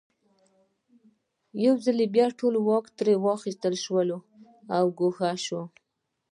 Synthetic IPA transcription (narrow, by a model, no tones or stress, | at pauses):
jawzalebjɑʈolwɑkt̪ɾewɑxist̪əlʃwəlo | awɡoxaʃwo